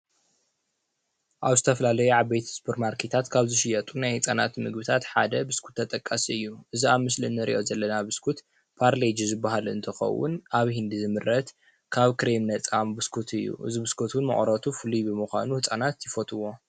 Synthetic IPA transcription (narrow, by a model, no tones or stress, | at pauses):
ʔaβzɨt̪ʰɐfɐlalɐjuʕaβbejt̪ʰspʰɨɾmaɾkʰet̪ʰat̪kʰaβzɨʃɪjɐt̪ʼunajhɨt͡sʼanat̪mɨɡbɨt̪ʰat̪ħad̪ɐbɨskʰu̥t̪ʰːɐt̪ʼɐkʼːasiɨjːuʔɨziaβmɨslɨnːɨɾḭʔo̞zɐlːɐnabɨskʰut̪ | pʰaɾled͡ʒzɨbːaɦalɨ̰nt̪ʰɐxɐ̰wːʊ̰nʔaβhind̪izɨmɨɾːɐt̪ | kʰaβkɾemnɐt͡sʼambɨskʰut̪ʰɨjːṵʔɨ̰zibɨskʰot̪wnmɐ̰χʼɾɐt̪ʰufɨlibɨmɨxʷa̰nuhɨt͡sʼanat̪jɪfot̪ʰʼɨwo̞